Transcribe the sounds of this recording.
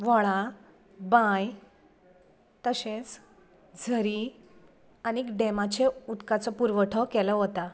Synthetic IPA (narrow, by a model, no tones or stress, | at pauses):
ʋɔɭa | bãj | t̪əɕẽt͡s | d͡zʱəɾi | anikɖemat͡ɕeut̪kat͡sɔpuɾʋəʈʰəkɛləɦot̪a